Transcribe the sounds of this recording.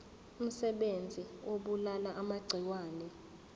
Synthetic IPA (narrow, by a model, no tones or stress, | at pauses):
um̩sɛɓend͡zʱioɓulalaʔamaɡ͡ǀʱiwaːnɛ